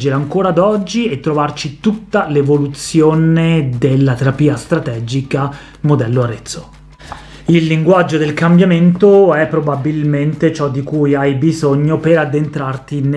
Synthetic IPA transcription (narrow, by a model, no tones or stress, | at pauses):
d͡ʒeɾeaŋkoːɾad̪ɔd͡ʒːiet̪ːɾovart͡ʃit̪ut̪ːalevolut̪sjoːned̪elːat̪eɾapiːast̪ɾat̪ɛːd͡ʒika | mod̪ɛlːoaɾet̪sːo | ilːiŋɡwad͡ʒːod̪elkambjament̪oɛpːɾobabilment̪et͡ʃɔd̪ːikujajbizoɲːopeɾad̪ːent̪ɾart̪in